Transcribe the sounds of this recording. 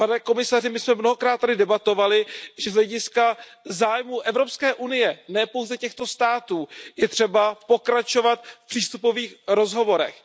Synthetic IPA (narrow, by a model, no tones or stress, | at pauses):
panɛko̞mɪsarɪmɪsmɛmno̞ɦo̞kɾaːt̪̚ːadɪdɛbat̪o̞valɪʒɛzɦlɛɟɪskazaːjmuːʔɛvɾo̞pskɛːʔunɪjɛnɛːpo̞wzɛcɛxt̪o̞st̪aːt̪uːjɛt̪r̝̥ɛbapo̞kɾat͡ʃo̞vat̪fpr̝̥iːst̪upo̞viːxɾo̞zɦo̞vo̞ɾɛ̰x